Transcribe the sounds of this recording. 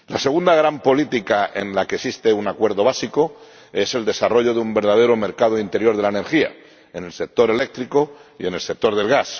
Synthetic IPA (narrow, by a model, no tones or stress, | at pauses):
lase̞ɣ̞und̪aɣ̞ɾampo̞lit̪ikaʔe̞̰nlakesist̪e̞unakwe̞ɾðo̞β̞asiko̞ | e̞se̞ld̪e̞saro̞ʎo̞ðeumbe̞ɾð̞að̞e̞ɾome̞ɾkað̞oint̪e̞ɾjo̞ɾð̞e̞laene̞ɾxia̰ | e̞ne̞lse̞k̚t̪o̞ɾe̞le̞k̚t̪ɾiko̞ie̞ne̞lse̞k̚t̪o̞ɾðe̞lɣas